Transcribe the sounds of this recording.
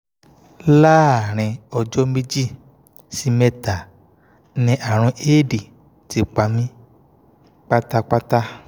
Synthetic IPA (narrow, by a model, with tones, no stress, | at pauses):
la˦˨ɾ̃ɛ̃˧ɔ˧d͡ʒɔ˦me˦d͡ʒi˦˨ | si˧˦mɛ̃˧ta˨ | nĩ˧ʔa˨ɾ̃ɔ̃˧˦ʔeː˦˨di˨ | ti˨˧k͡pa˧mĩ˦ | k͡pa˦ta˦k͡pa˦ta˦